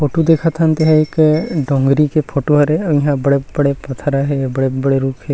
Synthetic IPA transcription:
pʰoʈud̪ekʰat̪ʰant̪eɦãekɖɔŋɡɾikepʰoʈuɦaɾeĩɦãbəɽebəɽepɔt̪ʰaɾaɦebɽebəɽeɾukʰe

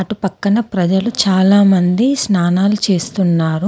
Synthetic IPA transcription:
ɐʈupɐkːɐnɐpɾɐd͡ʒɐlut͡ʃaːlaːmɐnd̪isnaːnaːlut͡ʃe̞ːst̪unːaːɾu

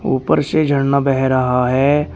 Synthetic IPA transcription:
ṵːpəɾsed͡ʒʱəɳːabɛɦɛɾəɦaɦɛː

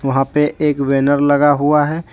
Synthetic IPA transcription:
ʋɐɦãpeʔeːkʋeːnəɾlɐɡaɦuaɦɛː

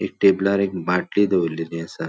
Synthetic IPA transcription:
ek̚ʈeblaɾek̚bãʈlid̪eʋəlːiniəsa

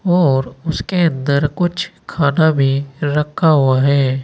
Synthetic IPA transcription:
ɔːɾʊskeə̃nd̪əɾkʊt͡ʃʰkʰaːnabʱiɾɐkʰːaɦuaɦɛː

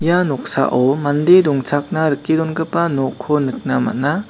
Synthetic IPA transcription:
janɔk̚sa̰ʔɔmand̪edɔŋt͡ʃʰak̚naɾɯkːidɔnɡɯpanɔkʰːɔnɯk̚nama̰na

